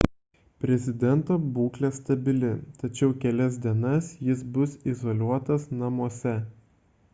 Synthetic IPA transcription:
pʲɾʲɛzʲɪd̪ʲɛnt̪oːbuːklʲeːst̪ɐbʲɪlʲɪt̪ɐt͡ʃʲɛʊkʲɛlʲɛs̬d̪ʲiɛnɐsjɪsbʊsizoːlʲuɔt̪ɐsnɐmuɔsʲɛ

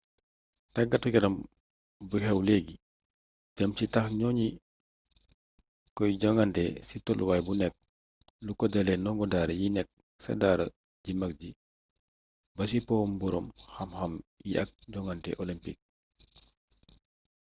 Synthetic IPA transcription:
tɐɡːɐtukɛɾɐm | bəhɛwlɛɡi | ɟɐmt͡ʃitɐxɲɔːɲi | kɔjɟɔŋɡantɛsitɔlwaːjbunɛk̚ | lukɔdɛlɛnɔŋɡɔdaːɾɐjinɛk̚ | sɐ̰daːɾɐ | ɟimɐk̚ɟi | bɐs̬ipɔːmbuɾɔmhɐmxɐmjḭʔɐ̰k̚ɟɔŋɡantɛ̰ʔɔlimpik̚

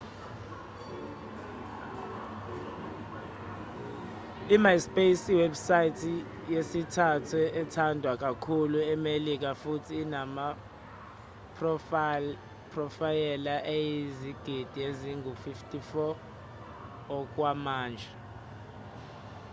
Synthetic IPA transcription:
imajspʼesiwɛbsajitʰi | jesitʰatʰɛɛtʰandʱwak̬ʼakʰuluɛmelik̬ʼafutʰiːnama | p | pʰrɔfajɛlaʔejiziɡ̥ʱid̥ʱieziŋʱufiftʼifɔ | k̬ʼwamaːnd͡ʒʱɛ

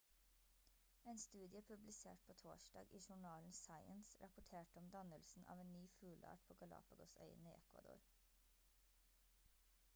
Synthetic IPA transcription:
eːnst̪ʉːd̪ɪəpʰʉblɪsḛːʈ̚pʰoːt̪ʰo̰ːʃdɑ̰ːɡʔiːʃʊɳɑːln̩sɑɪənsɾʔɑpʊʈʰeːʈəɔmd̪ɑnəlsn̩ʔɑ̰ːʋeːnnyːfʉːlʔɑ̰ːʈ̚pʰoːɡɑlɑ̰ːpɑɡʊsœ̰ʏəniːʔɛkʋɑ̰d̪ʊ̰ːɾ

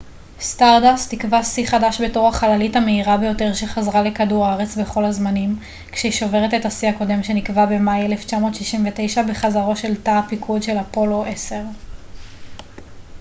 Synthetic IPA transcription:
staʁdastikvasiχadaʃbe̞to̞ʁaχalalithameiʁabe̞jo̞te̞ʁʃeχazʁale̞kaduʁaaʁe̞t͡sbe̞χo̞lazmanim | kʃeiʃo̞ve̞ʁetetasiako̞de̞mʃe̞nikvabe̞majeleft͡ʃamo̞ːtʃiʃimvete̞jʃabe̞χazaʁo̞ʃe̞ltapikʰudʃe̞lapo̞lo̞ʔese̞ʁ

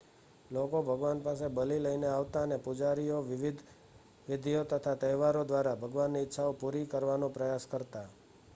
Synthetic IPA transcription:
lokobʱəɡʋanpas̬ebəliləjneaʋt̪aənepud͡ʒaɾijoʋʋid̪ʱ | ʋɪd̪ʱijot̪ət̪ʰat̪əʋaɾod̪ʋaɾabʱəɡʋanːiːtːʃʰaopuɾikəɾʋanõpɾəjaskəɾt̪a

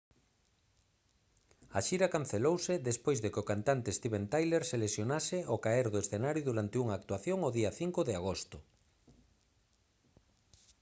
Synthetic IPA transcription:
aʃiɾakanθelowsɪðespojzðekɪokant̪ant̪est̪iβent̪ajleɾselesjonasɪokaeɾðoesθenaɾjʊðuɾant̪euŋaːk̚t̪waθjoŋoðiaθiŋkʊðɪaɣost̪ʊ

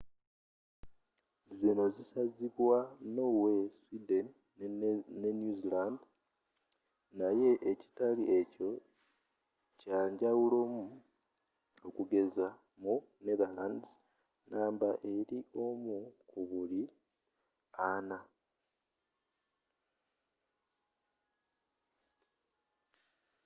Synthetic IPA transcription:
zino̞zisaziβwano̞weswiden | nenjuziland | naje̞ʔeci̥taliʔe̞co̞ | caːɲɟawulo̞mu | okuɡe̞za | mu | neðaland | nʔaːmbaʔe̞ɾiʔo̞mukuβuli | ana

